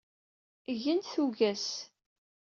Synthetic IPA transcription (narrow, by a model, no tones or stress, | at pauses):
ʝənθuɣæs